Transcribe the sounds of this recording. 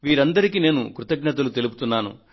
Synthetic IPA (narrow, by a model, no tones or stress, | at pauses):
ʋiːɾɐnd̪ɐɾikine̞ːnṵkɾut̪ɐɡɲɐt̪̬ɐlut̪e̞lup̬u̥t̪unːaːnṵ